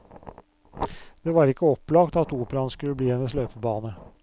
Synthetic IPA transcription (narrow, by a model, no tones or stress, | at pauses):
d̪̥eːʋɑːɾɪkːəɔplɑɡt̪ɑt̪uːpəɾɑnskʉlːəbliːɛnəsløːpəbɑːnə